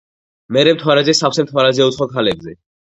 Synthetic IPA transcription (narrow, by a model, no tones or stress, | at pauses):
mɛɾɛmt̪ʰwaɾad̪zɛsapʰsɛmt̪ʰwaɾad̪zɛut̪sχɔkʰalɛbzɛ